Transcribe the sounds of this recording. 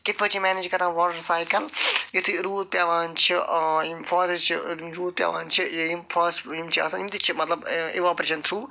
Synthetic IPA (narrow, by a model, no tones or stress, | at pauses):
kɪt̪̚ʰpʰət͡ʃʰimɛːneːd͡ʒkɐɾãːʋɔːʈɐɾsaːjkɐlɡit̪ʰiɾuːz̚pʲjaːʋãːnt͡ʃʰiimfɔːɾt͡ʃʰiɾuːd̪̚pʲja̰ːʋa̰ːnt͡ʃʰiimfʰɔsimt͡ʃʰia̰ːsɐ̃imt̪it͡ʃʰimɐt̪lɐbḭʋaːpɾeːʃɐnt̪ʰɾuː